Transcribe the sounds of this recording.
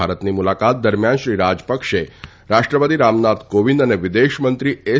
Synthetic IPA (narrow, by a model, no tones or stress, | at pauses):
aɾət̪nimulakat̪̚d̪əɾmjanʃɾiɾad͡ʒpəkʃe | ɾaʃʈɾəpət̪iɾamnat̪ʰkoʋind̪əneʋɪd̪eʃmənt̪ɾie